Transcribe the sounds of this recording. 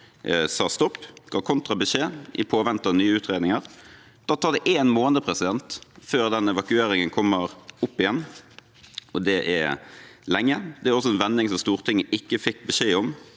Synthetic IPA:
sɑːst̪ɔpːɡ̥ɑːkʰɔnt̪ʁɑbəʃeːʔɪ̰pʰoːʋɛnt̪ənyːəʉːt̪ɾeːd̪nɪŋəɾ | d̪̥ɑːt̪ʰɑːʁd̪ɛʔeːnmoːnd̪əpʰɾɛsɪd̪ɛnt̪føːɾd̪ɛnɛʋɑkʉeːɾɪŋənkʰɔmːəɾʊpːɪjɛn | ɔd̪ɛʔɛ̰lɛŋːəd̪ɛæɾɔs̬ɔɛnʋɛnːɪŋsɔmst̪uːɾt̪ʰɪŋːəʔɪkːəfɪkːbɛʃeːɔm

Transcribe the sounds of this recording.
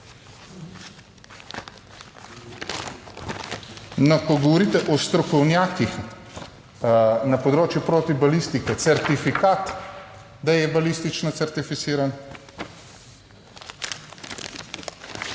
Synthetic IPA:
nɔkɔɡɔʋɔɾiːt̪ɛʔɔst̪ɾɔkɔwnjaːkix | nɐpɔd̪ɾoːt͡ʃjupɾoːt̪ibalist̪ikɛt̪sɛɾt̪ifikaːt̪ | d̪ajɛbalist̪it͡ʃnɔt̪sɛɾt̪ifit̪siːɾan

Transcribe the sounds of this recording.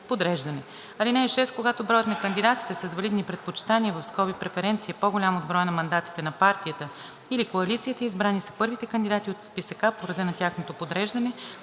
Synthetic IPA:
pod̪ɾɛʒd̪ɐnɛ | ɐlinɛːʃɛst̪̚koɡat̪obɾɔjət̪nɐkənd̪id̪at̪i̥t̪ɛsɐzvɐlid̪nipɾɛt̪pot͡ʃi̥t̪aniəvɐfskɔbipɾɛfɛɾɛnt̪siɛpoɡolʲamod̪̚bɾɔjənɐmɐnd̪at̪i̥t̪ɛnɐpaɾt̪iət̪ə | ilikoɐlit̪siːt̪əizbɾanisɐ̥pɤɾvit̪ɛkɐnd̪id̪at̪iot̪spisɐkapoɾɐd̪ɛnɐt̪ʲjaxnot̪opod̪ɾɛʒd̪ɐnɛ

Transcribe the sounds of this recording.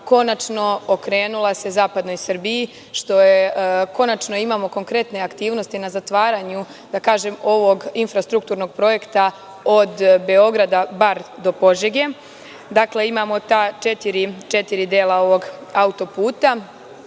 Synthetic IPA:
ko̞nat͡ʃno̞okɾe̞ːnulˠase̞zaːpad̪no̞jsr̩biji | ʃt̪o̞jeko̞nat͡ʃno̞imaːmo̞ko̞ŋkɾe̞t̪ne̞akt̪iːʋno̞st̪inazat̪ʋaːɾaɲu | d̪akaːʒe̞mo̞ʋo̞ɡinfɾast̪ɾuk̚t̪uːɾno̞ɡ̚pɾo̞je̞kt̪a | od̪be̞o̞ɡɾad̪abaɾd̪o̞po̞ʒeɡe | d̪akle̞imaːmo̞t̪at͡ʃet̪iɾit͡ʃe̞t̪iɾid̪eːlˠao̞ʋo̞ɡaut̪o̞puːt̪a

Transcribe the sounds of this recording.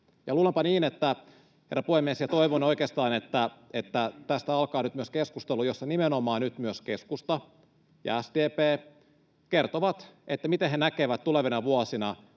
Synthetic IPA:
jɑluːlempɑniːnet̪ːæ | herːɑpuhemiesjɑt̪oiʋonoikeːst̪ɑːnet̪ːæet̪ːæt̪æst̪æɑlkɑːnyt̪myøskeskust̪elujosːɑnimenomɑːnyt̪myøskeskust̪ɑ | jɑ̰æsd̪eːpeː | kert̪oʋɑt̪et̪ːæmit̪eɦenækeʋæt̪t̪uleʋinɑʋuɑsinɑ

